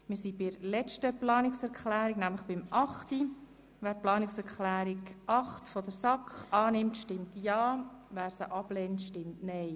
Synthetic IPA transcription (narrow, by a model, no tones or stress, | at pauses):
mɪːɾsibiɾlɛt͡ʃtəplɑːnɪksɛɾkχlæːɾiɡnæmləχb̥ɪmʔɑχti | ʋæːɾplɑːnɪksɛɾkχlæːɾiɡʔɑχtfɔdəɾsɑkχɑːnɪmtʃtɪmtjɑːʋæːɾsəʔɑb̥lɛːntʃtɪmtnɛɪ